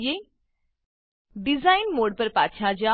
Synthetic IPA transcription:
je | ɖizainmoːɽpəɾpa̰ːt͡ɕʰjad͡ʑa

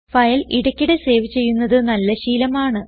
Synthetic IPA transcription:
fɐjɐliɽɐkʲːiɽese̞ːʋit͡ɕːe̞jːunːɐðɨnɐlːɐɕiːlɐmaːɳɨ

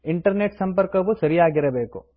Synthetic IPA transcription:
iɳʈɐɾneʈsɐmpɐɾkɐʋusɐɾijaːɡiɾɐbe̞ːku

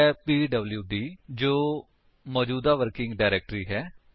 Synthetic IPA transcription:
ɛːpiːɖəbljuːɖiːd͡ʒoː | mɔːd͡ʒuːd̪aːʋəɾkɪ̃ŋɡɖaːɪɾɛːk̚ʈɾiːɦɛː

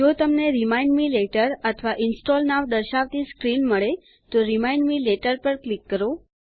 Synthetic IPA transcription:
d͡ʒot̪əmneɾimaiɳɖmileʈəɾət̪ʰʋaʔinsʈolnaʋd̪əɾʃaʋt̪iskɾinməɭe | t̪oɾimaiɳɖmileʈəɾpəɾklikːəɾo

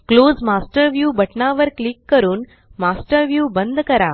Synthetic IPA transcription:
kloːzmaːsʈəɾʋjuːbɐʈnaʋəɾklikːəɾuːn | maːsʈəɾʋjuːbə̃nd̪kɐɾaː

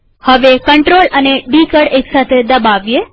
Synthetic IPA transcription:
həʋekəɳʈɾoləneɖikəɽeksat̪ʰed̪əbaʋje

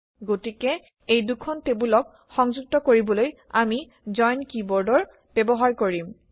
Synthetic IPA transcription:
ɡotikɛ | ejdukʰɔntebulɔk | xɔŋzuk̚tɔkoɹibɔloj | ami | zɔjnkibɔɹdɔɹ | b̥ɛbɔɦaɹkoɹim

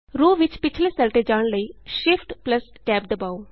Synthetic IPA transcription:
ɾuːʋɪt͡ʃpɪt͡ʃʰleːsɛlʈeːd͡ʒaːɳləiːʃɪfʰʈpləs | ʈɛːp̚d̪əbaːuː

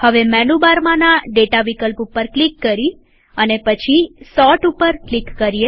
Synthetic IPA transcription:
həʋemɛnubaɾmãnaɖeʈaʋikəlpupəɾklikːəɾi | ənepət͡ʃʰisɔʈupəɾklikːəɾie

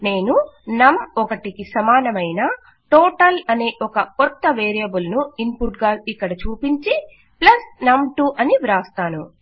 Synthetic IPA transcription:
ne̞ːnunɐmɔkɐʈikisɐmaːnɐmɐjna | ʈɔːʈɐlɐne̞ːʔɔkɐkɔt̪ːɐʋeːɾijɐbulnuimpuʈɡaːikːɐɽɐt͡ʃuːpiɲt͡ʃi | plɐsnɐmʈuʔɐniʋɾaːst̪aːnu

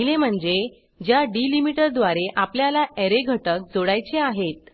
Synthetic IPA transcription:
ilem̤əɳd͡ze | d͡ʑjaɖilimiʈəɾd̪ʋaɾeʔapljalaʔeɾeɡʱəʈək̚d͡zoɽajt͡ɕeaɦet̪̚

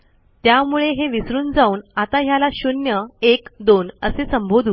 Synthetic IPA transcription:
t̪jamuɭeɦeʋisɾuːnd͡zauːnat̪aɦjalaɕunjəekd̪onəsesəmbʱod̪ʱuː

